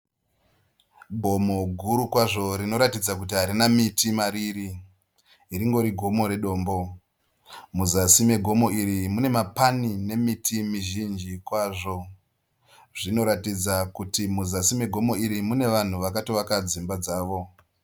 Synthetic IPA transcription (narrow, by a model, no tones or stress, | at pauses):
bʱo̞mo̞ɡʱuɾukwaʐo̞ɾino̞ɾatid͡zak̬utiɦaɾinamitimaɾiɾiː | ɾiŋɡo̞ɾiɡʱo̞mo̞ɾe̞ɗo̞ːmbo̞ | muzasime̞ɡʱo̞mo̞iɾimune̞mapanine̞mitʰimiʒind͡ʒikwaːʐo̞ | ʐino̞ɾatid͡zakutimuzasime̞ɡʱo̞mo̞iɾimune̞ʋan̤uʋakatoʋakad͡zimbad͡zaːʋo̞